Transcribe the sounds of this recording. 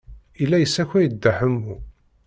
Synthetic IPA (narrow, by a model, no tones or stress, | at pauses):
ilːæjəsːæçæjəd̪ːaħəmːu